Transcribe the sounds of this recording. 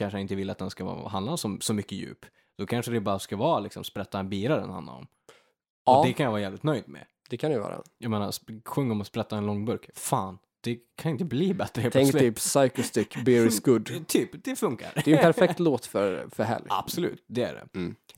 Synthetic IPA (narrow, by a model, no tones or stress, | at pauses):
kʰanʂəjanɪnt̪əvɪlːat̪d̪ɛnskavɑ̰ːɦand̪asɔsɔmʏkːəjʉ̰ːp | d̪̥ɔkʰanʂəd̪ɛbɑːɾaskavɑːlɪksɔmspɾɛt̪ːabiːɾaɾɛ̰nha̰nd̪a̰ɾɔ̰m | ɔɛkʰanjavɑːɾjɛːlɪt̪nœjd̪mɛ̰ | d̪̥ɛkʰanɛjvɑ̰ːɾa̰jajmeːnaɾsɧɵŋːɔmɔspɾɛt̪ːaɛnlɔŋːbɵɾkfaːn | d̪̥ɛkʰanɪnt̪əbliːbɛt̪ːɾəpt̪ʰɛŋk̪yːpsajkʊst̪ʏkːbɪɾɪsɡɵd̪t̪ʰyːpd̪ɛfɵŋka̰ɾdɛjɛnpæɾfɛk̚t̪loːt̪fœɾfœɾɦɛ̰lja̰b̥sɔlʉ̟̰ːt̪̚d̪ɛæ̰ɖɛ̰